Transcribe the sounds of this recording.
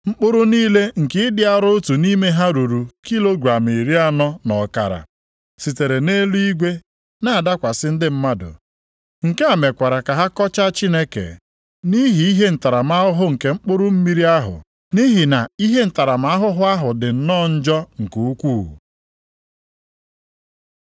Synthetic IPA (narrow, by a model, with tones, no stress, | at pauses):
ŋ͡m̩˦k͡pʊ˦ɾʊ˦niː˦le˦ŋ̩˨kɪ˦ɪ˦dɪ˦a˦ɾʊ˦tu˨ni˦me˦ɦa˦ɾu˨ɾu˨ki˦lo˦ɡɾa˨mi˨ɾi˦a˦nɔ˦nɔ˨ka̰˨ɾa̰˨ | si˨te˨ɾe˨ne˦lu˦i˦ɡʷe˦ | na˦a˨da˦kʷa˨sɪ˦n̩˦dɪ˦m̩˦ma˦dʊ̰˨ | ŋ̩˨ke˦a˨me˨kʷa˨ɾa˨ka˨ɦa˦kɔ˦t͡ʃa˦t͡ʃi˦ne˦kḛ˨ | ni˦ɦi˨i˦ɦe˦n̩˨ta˨ɾa˨m˦a˦ɦʊ˦ɦʊ˦ŋ̩˨ke˨ŋ͡m̩˦k͡pʊ˦ɾʊ˦m̩˦mi˦ɾi˦a˦ɦʊ̰˨ | ni˦ɦi˨na˨i˦ɦe˦n̩˨ta˨ɾa˨ma˨˦ɦʊ˦ɦʊ˦a˦ɦʊ˨dɪ˨n̩˦nɔ˦˨n̩˦d͡ʒɔ˦ŋ̩˨ko˨u˦kʷṵː˦˨